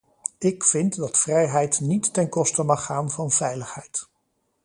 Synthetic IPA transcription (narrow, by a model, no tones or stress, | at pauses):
ɪkfɪntdɑtfrɛjɦɛjtnitːɛnkɔstəmɑχːaːnvɑnvɛjləχhɛjt